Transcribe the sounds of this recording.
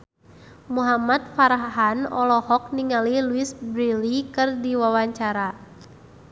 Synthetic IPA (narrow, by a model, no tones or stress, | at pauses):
muɦamat̪̚faɾaɦanɔ̰lɔhɔk̚niŋaliluisbɾilikɨrdiwawaɲt͡ʃaɾa